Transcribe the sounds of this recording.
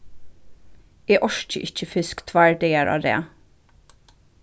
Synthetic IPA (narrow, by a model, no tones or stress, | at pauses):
eːʔɔʃt͡ʃə̰ʔɪc͡çəfʏskt̪ʰʋæɹɖɛəɹʔɑ̰ːɾḛː